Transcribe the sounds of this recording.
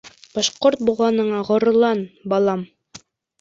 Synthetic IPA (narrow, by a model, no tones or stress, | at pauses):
b̥ɑʃqoɾt̪̚bulˠʁɑnɤ̆ɴɑʁŏɾɤ̆lˠɑnbɑlˠɑm